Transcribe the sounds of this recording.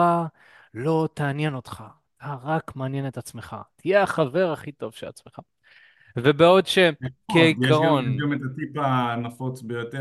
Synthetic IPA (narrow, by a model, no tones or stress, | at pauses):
a | lo̞t̪aːnje̞no̞t̪χa | taʁakmaanje̞netat͡sme̞χa̰tʰijeaχave̞ʁaχito̞v̥ʃela̰t͡smeχa | vebeo̞dʃekeiaʁonɡamet̪at̪ipanafot͡sbejot̪e